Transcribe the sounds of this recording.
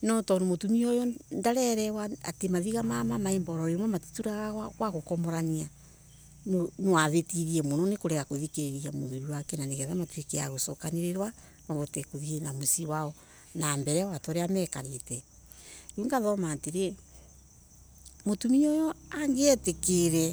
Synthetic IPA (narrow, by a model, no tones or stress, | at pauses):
nɔtɔnomotumiɔjɔndaɾɛɾɛwaatemaðiɣamamamaembɔɾɔɾemwɔmati̥tuɾaɣawaɣwaɣokɔmɔɾania | nonewaðetiɾiɛmonɔnekoɾɛɣakoðikeɾiamoðuɾiwakɛnaneɣɛðamatwekea̰ɣosɔkaneɾeɾwa | maβɔtɛkoðiɣenamosiwaɔ | nambɛɾɛwatɔɾeamɛkaɾetɛ | juːŋɡaðɔmaːteɾe | motumiɔjɔaŋɡeɛtekeɾɛ